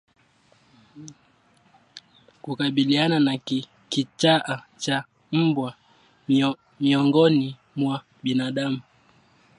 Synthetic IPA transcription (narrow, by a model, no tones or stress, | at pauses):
kukaɓilianana | kit͡ʃaʔat͡ʃa | m̩bwa | miɔŋɡɔni | mwa | ɓinaɗamu